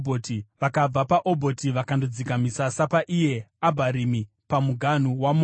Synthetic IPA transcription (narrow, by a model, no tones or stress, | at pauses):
bʱotiʋakab͡vapaʔobʱo̞tiʋakandod͡zikamisasapaʔije̞abʱaɾimi | pamuɡʱan̤uwam